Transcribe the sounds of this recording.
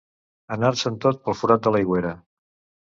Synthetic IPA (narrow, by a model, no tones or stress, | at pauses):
ənaɾsənt̪ot̪̚pəlˠfuɾat̪̚d̪ələjɣweɾə